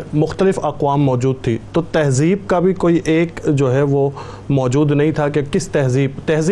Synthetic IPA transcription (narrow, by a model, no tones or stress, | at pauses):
mʊxt̪əlɪfɐqʋaːmːɔːd͡ʒuːd̪̚t̪ʰḭt̪ot̪ɛɦziːb̚kabʱikoːiʔeːkd͡ʒoːɦɛʋo | mɔːd͡ʒuːd̪nɐɦĩt̪ʰak̬ekɪst̪ɛɦziːb̚t̪ɛɦz